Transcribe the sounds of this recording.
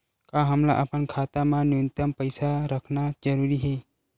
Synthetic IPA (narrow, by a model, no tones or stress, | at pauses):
kaɦəmla̰ʔapənkʰat̪amãnjont̪əmpəjsaɾəkʰnad͡ʒəɾuɾiɦe